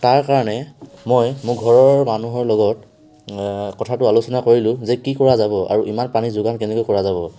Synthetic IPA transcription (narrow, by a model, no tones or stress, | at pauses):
taɹkaɹɔnɛmojmʊɡʱɔɹɔɹmanuɦɔɹlɔɡɔt | kɔtʰatʊalusɔnakoɹilʊ̃zɛkikɔɹazabɔʔa̰ɹuʔimanpanizʊɡankɛnɛkojkɔɹazaβɔ